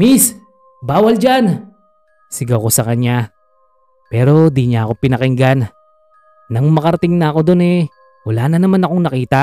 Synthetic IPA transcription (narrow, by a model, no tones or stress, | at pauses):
mis | baːwɐld͡ʒan | sɪɡɐwko̞sɐkɐɲa | pɛːɾo̞d̪iɲaɐko̞pɪnɐkɪŋɡan | nɐŋmɐkɐɾɐt̪ɪŋnɐɐko̞d̪o̞nɛ | wɐlaːnɐnɐmanɐko̞ŋnɐkiːt̪a